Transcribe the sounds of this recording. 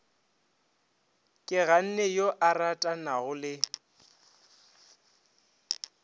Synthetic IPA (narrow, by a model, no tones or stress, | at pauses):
kʼɪɣan̩nɛjoʔaratʼanaɣʊlɪ